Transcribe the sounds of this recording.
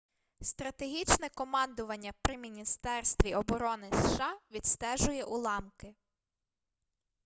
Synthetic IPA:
st̪ɾɐt̪eɦʲit͡ʃnɛkɔmɑnd̪ʊʋɐnʲːɐpɾʲɪmʲinʲist̪ɛrst̪ʋʲiɔbɔɾɔnɪsʃɑʋʲid̪st̪ɛʒʊjɛʔulˠɑmkɪ

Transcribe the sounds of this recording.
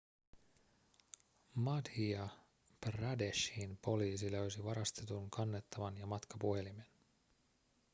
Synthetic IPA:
mɑdhiɑ | prɑdeʃhinpo̞liːsiløɥsiʋɑɾɑst̪e̞t̪uŋkʰɑnːe̞t̪ːɑʋɑnjɑmɑt̪kɑpuhe̞lime̞n

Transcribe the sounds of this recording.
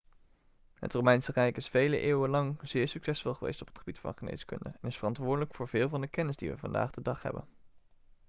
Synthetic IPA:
ɦə̰trowmɛjnsərɛjkɪsfejlə̰ʔeːwəlɑŋz̥ɪːɹsyksɛsfɔlˠχəʋḛjstɔ̥pətχəbitfɑ̰nχənḛjskɵ̰ndə̰ɛnɪsfərɑntʋʊːɹdələkfʊːɹv̥ɪːlˠvɑndəkɛnɪzdiʋəvɑ̰nda̰ːχdədɑχɦɛ̰bə̰n

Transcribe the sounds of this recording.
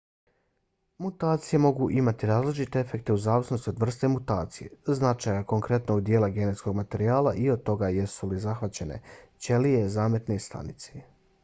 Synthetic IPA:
mut̪aːt̪sije̞mo̞ɡuʔimat̪iɾaːzlit͡ʃit̪e̞efe̞k̚t̪e̞uzaːʋisno̞st̪io̞d̪vr̩st̪e̞mut̪aːt̪sije̞̰znat͡ʃajako̞ŋkɾe̞t̪noud̪jeːlaɡe̞ne̞t̪sko̞ɡmat̪e̞ɾiaːlˠaʔiod̪̚t̪o̞ɡaje̞sulizaxʋat͡ɕe̞ne̞̰t͡ɕe̞lije̞zaːme̞t̪ne̞st̪a̰nit̪se̥

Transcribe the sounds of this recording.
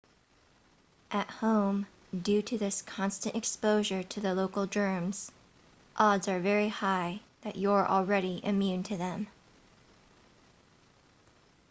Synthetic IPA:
ʔɨt̚hõʊ̃m | dʉɾɨðɪskʰɑ̃nstɨ̃ntɨkspoʊʒə˞ɾɨðəloʊkl̩ˠdɜ̃˞mz̥ | ʔɑdzə˞vɛɹihaɪðɨt͡ʃəə˞ʔl̩ˠɹɛɾiʔɨmjʉ̃ntʰɨðɨ̃m

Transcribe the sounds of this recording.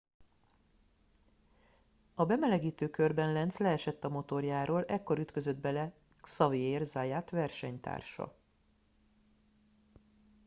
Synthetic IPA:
ɒbɛmɛlɛɡiːt̪øːkø̞rbɛnlɛnt̪slɛɛʃɛt̪ːɒmo̞t̪o̞rjaːɾoːlɛkːo̞ɾyt̪kø̞zød̪̚bɛlɛ | sɒveeːrzaːjaːt̪vɛrʃɛɲt̪a̰ːrʃɒ̰

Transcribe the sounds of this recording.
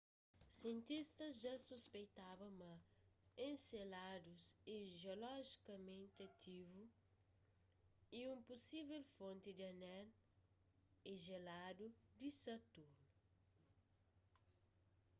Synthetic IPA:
siẽnt̪ist̪ɐzʒasuspejt̪avɐmɐẽnselad̪usiʒiolɔʒikɐmẽnt̪ɐt̪ʰivu | iũmpusivɛlfõnt̪id̪iɐnɛl | eʒelad̪ud̪isɐt̪uɾnu

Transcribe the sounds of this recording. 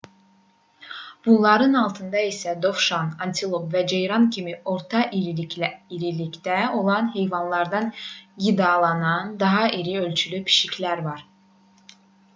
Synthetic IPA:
b̥unlˠɑɾɯnɑlˠt̪ʰɯnd̪ɑisæd̪o̞fʃɑnɑnt̪ʰilˠopvæd͡ʒejɾɑncʰimiʔo̞ɾt̪ʰɑʔi | iɾilicd̪æo̞lˠɑnɦe̞jvɑnlˠɑɾd̪ɑnɡid̪ɑlˠɑnɑnd̪ɑɦɑʔiɾiø̞lʲt͡ʃʰylypʰi̥ʃicʰlæɾvɑɾ

